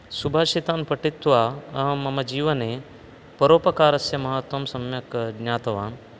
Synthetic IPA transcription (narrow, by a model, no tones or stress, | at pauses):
subʱaːʃit̪aːnpɐʈit̪ːʋaːɐɦɐmːɐmɐd͡ʒiːʋɐneː | pɐɾoːpɐkaːɾɐsjɐmɐɦɐt̪wɐmsɐmjɐkɡnʲjaːt̪ɐʋaːn